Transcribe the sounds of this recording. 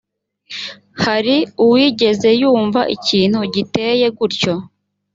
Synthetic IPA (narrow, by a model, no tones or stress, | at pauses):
haɾiuwiːɟe̞ze̞juːɱvaʔiciːn̥huɟite̞ːje̞ɡuɾco̞